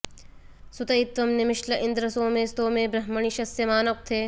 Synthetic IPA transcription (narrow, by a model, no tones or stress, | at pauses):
sʊt̪ɐit̪ʋɐmnɪmɪʃlɐʔɪ̃nd̪ɾɐsõːmẽst̪õːmẽːbɾɐɦmɐɳ̃iʃɐsjɐmaːnɐk̚t̪ʰeː